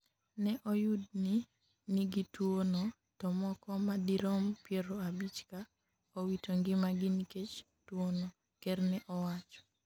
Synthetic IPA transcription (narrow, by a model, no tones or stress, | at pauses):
nɛʔɔjʊdnɪ | niɡitwono | tɔmɔkɔmadiɾɔmpjeɾoabit͡ʃka | owitoŋɡɪmaɡɪniket͡ʃ | twono | kɛrnɛʔɔwat͡ʃɔ̥